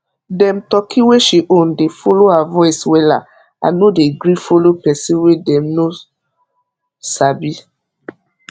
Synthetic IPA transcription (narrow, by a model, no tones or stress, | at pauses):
dɛ̃mtɔkʰĩweʃiʔõndefolohavɔɪswɛla̰ | a̰nodeɡɾifolopɛsĩwedɛ̃mno | sabi